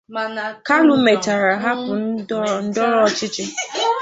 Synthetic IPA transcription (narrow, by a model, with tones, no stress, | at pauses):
ka˦lʊ˦me˨ta˨ɾa˨ɦa˦pʊ˨˦n̩˦dɔ˦ɾɔ˦ɔ˦t͡ʃɪ˦t͡ʃɪ˦